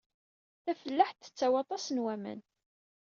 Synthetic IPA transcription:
θæfəlːəħt̪ːə̥t͡sːawɑt̪ˤɑsənwæmə̰n

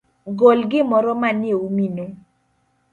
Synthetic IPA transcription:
ɡolɡɪmɔɾɔmanjeumino

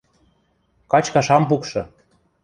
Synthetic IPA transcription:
kɑt͡ɕkɑʃɑmpukʃɤ̆

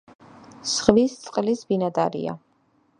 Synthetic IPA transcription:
sʁvist̪sʼqʼlisbinad̪aɾḭa̰

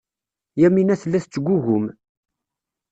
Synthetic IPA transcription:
jæminæθlːæθt͡sːəɡʷːuʝʊm

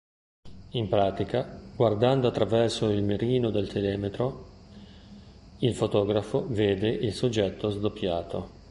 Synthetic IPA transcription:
impɾaːt̪ikaɡward̪and̪oat̪ːɾavɛrsoilmeɾiːnod̪elt̪ʰelɛːmet̪ɾo | ilfot̪ɔːɡɾafoveːd̪eʔilsod͡ʒːɛt̪ʰːozd̪opːjaːt̪o

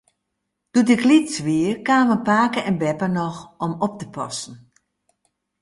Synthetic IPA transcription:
d̥utɪklitsʋiərkaːʋənpaːkəɛnbɛpənɔxɔmɔp̚təpʰɔ̰sn̩

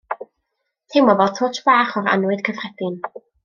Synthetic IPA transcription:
tʰejmɔvɔltʰoːtʰbaːχɔɾa̰nwɨdkʰəvrɛdɨn

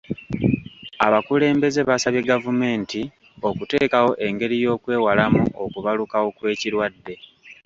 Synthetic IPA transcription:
aβakule̞ːmbe̞ze̞βasaβjeɡavume̞ːnti | o̞kute̞ːkawo̞ʔe̞ŋɡe̞ɾijo̞ːkwe̞ːwalamuʔo̞kuβalukawo̞kwe̞ːciɾwadːe̞

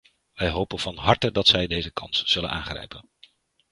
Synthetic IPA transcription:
ʋɛjɦowpənv̥ɑnɦɑɹtədɑtsɛjdejzəkɑnsz̥ɵlə̰nʔaːnχrɛ̰jpən

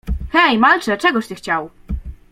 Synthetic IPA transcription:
xɛjmalt͡ʂɛt͡ʂɛɡɔɕt̪ɘxt͡ɕaw

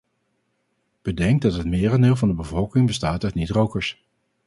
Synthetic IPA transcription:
b̥ədɛŋɡ̚dɑtɦətmɪːrɑndɪːlˠvɑndəbəvɔlˠkɪŋbəstaːtœtnitrowkəɹs

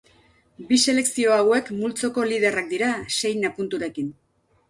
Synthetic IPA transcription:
bise̞le̞ksio̞awe̞kmult͡so̞ko̞liðe̞rak̚d̪iɾase̞jnapunt̪uɾe̞kin

